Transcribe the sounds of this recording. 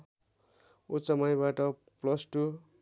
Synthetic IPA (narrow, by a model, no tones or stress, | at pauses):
ut͡sʌmajbaʈʌ | plʌsʈu